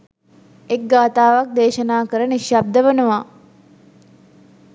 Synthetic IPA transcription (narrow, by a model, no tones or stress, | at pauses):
ek̚ɡaːt̪aːʋak̚d̪eːʃənaːkəɾəniʃjab̚d̪əʋənəʋa